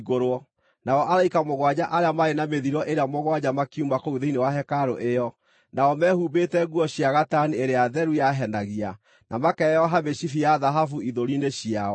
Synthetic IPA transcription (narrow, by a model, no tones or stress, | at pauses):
ɣoɾwɔ | naɔʔaɾaikamoɣwad͡ʑaʔaɾeamaenameðiɾɔʔeɾeamoɣwad͡ʑamakiumakouðeinewaɦɛkaɾɔ̰ʔejɔ | naɔmɛhuːbetɛɣuɔɕjaɣatanieɾeaðɛɾujaɦɛnaɣia | nʔamakɛɛjɔɦameɕifiaðaɦafuiðoɾineɕiaɔ